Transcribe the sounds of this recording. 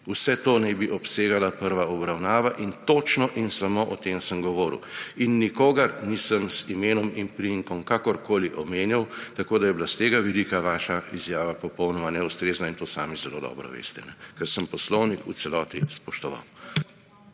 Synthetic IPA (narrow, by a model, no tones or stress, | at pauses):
usɛt̪oːnɛbiʔɔpseːɡalapəɾʋaɔbɾawnaːʋaʔint̪oːt͡ʃnɔʔinsamoʔɔt̪emsəmɡɔʋɔːɾḭwinːikoːɡɐɾnisəmsimeːnɔminpɾiiŋkɔmkaːkɔɾkoːliʔɔmeːnjawt̪akoːd̪ajɛblast̪eːɡaʋɛlikaʋaːʃaizjaːʋapɔpɔwnɔmanɛust̪ɾeːznaint̪oːsa̰ːmizɛlo̰d̪ɔ̰bɾɔ̰ʋḛːst̪ɛnɛkɛɾsəmpɔslɔwnikṵsɛlɔːt̪ispɔʃt̪ɔʋa̰w